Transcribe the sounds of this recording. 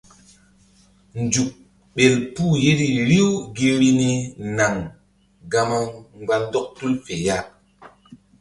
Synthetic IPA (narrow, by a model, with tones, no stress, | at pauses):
nd͡ʒu˨k̚ | ɓe˨lpu˦˨je˦di˦ɾi˦wɡe˦ɾi˦ni˦na˨ŋ | ɡa˦ma˦ŋɡ͡ba˦ndɔ˦k̚tu˦lfe˨ja˦